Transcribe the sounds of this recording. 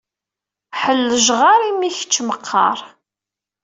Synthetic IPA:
ħəlːəʒʁɑɾˤimiçə̥t͡ʃːməqʰːɑ̰ɾˤ

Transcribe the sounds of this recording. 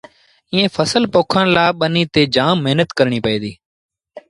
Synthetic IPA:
ĩːẽːfʰəsəlpoːkʰənlaːɓəniːt̪eːd͡ʒaːmːeɦnət̪kəɾɳ̃iːpəeːd̪iː

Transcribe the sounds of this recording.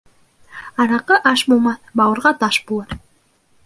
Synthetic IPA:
ɑɾɑqɤʔɑʃbulˠmɑθbɑwuɾʁɑt̪ɑʃbulˠɑɾ

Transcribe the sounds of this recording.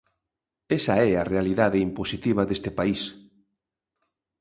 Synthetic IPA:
esaɛarealiðaðɪimposit̪iβ̞ɐðest̪ɪpais

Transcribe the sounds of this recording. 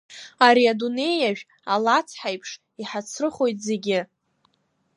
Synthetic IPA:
aɾiadune̞jaʒᶣ | alat͡sʰħajpʰʂ | iħat͡sʰrɨχo̞jt̚ze̞ɡʲɪ

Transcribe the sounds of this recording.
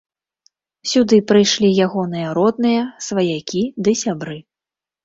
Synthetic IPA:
sʲud̪ɨpɾɨjʂlʲijaɣɔnɨjɐɾɔd̪̚nɨjɐsvɐjakʲid̪ɨsʲabɾɨ

